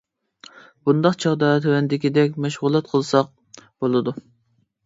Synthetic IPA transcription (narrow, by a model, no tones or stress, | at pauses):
b̥und̪ɑqt͡ʃʰɑʁd̪ɑːt̪ʰøwɛnd̪ɪkʲid̪ɛkʲmɛʃʁʊlˠɛt̪̚qʰəlˠsɑq̚ | b̥olˠɨd̪u